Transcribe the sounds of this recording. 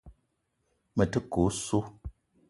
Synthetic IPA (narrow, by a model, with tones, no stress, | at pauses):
mə˨tə˦ko˨˦su˦